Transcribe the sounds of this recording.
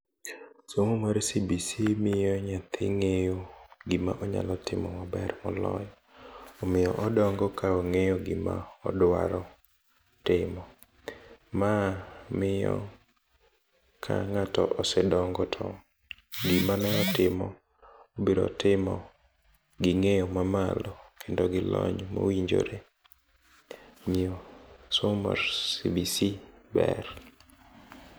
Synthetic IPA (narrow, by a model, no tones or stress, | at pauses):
somomaɾsibisimɪjɔɲat̪ʰɪŋejoɡɪma̰ʔɔɲa̰lɔtɪmɔmabɛrɔ̰lɔ̰j | ɔmɪjɔʔɔdɔŋɡɔkaoŋejoɡɪma̰ɔ̰dwa̰ɾɔ | tɪmɔ | mamɪjɔ̰ | kʰa̰ŋatɔʔɔsɛdɔŋɡɔtʰɔ | ɡimanɛɔtɪmɔ | obiɾɔtɪmɔ | ɡɪŋejomamalɔkʰendoɡɪlɔɲmo̰wiɲd͡ʒo̰ɾe | miosoma̰ɾsibisibɛ̰r